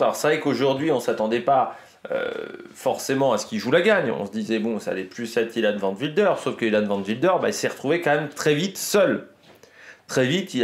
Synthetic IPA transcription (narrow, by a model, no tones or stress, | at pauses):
alɔʁsəvɛkoʒuʁd̪ɥiɔ̃sat̪ɑ̃d̪ɛpa | ø̰fɔʁsemɑ̃asə̥kiʒulaɡaɲɔ̰̃səd̪izɛbɔ̃sa̰lɛplysɛt̪̚kilad̪əvɑ̃t̪vild̪œʁsofkəilad̪əvɑ̃d̪vild̪œʁba̰ilsɛʁət̪χuvekɑ̃mɛmt̪χɛvit̪sœl | t̪χɛvit̪i